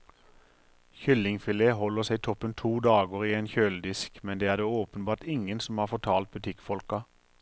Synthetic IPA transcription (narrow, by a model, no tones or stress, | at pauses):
çʏlɪŋfɪleːhɔləʁsæɪt̪ʰɔpːənt̪ʰuːd̪ɑːɡəʁiːeːnçøːld̪ɪskmɛnd̪eːæːʁd̪eːoːpən̩bɑːt̪ɪŋənsɔmhɑːʁfɔʈ̪ʰɑːlt̪̚bʉt̪ʰɪkfɔlkɑ